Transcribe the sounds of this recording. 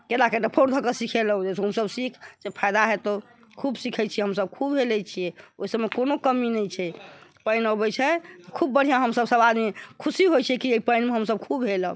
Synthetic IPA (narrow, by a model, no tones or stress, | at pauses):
kelakeɖəpʰoɾd̪ʱəkəsikʰeləud͡ʒesɦəmsəbsikʰd͡ʒepʰajd̪aɦet̪ɔ | kʰubsikʰɛt͡ʃʰijɛɦəmsəb̚kʰubɦelɛt͡ʃʰijɛoisəmmekonokəminɛjt͡ʃʰɛpəɪnɔbɛt͡ʃʰɛt̪ɔkʰubːəɽ̤ijaɦəmsəbsəbad̪mikʰusiɦojt͡ʃʰɛkieipəɪnmeɦəmsəb̚kʰubɦelə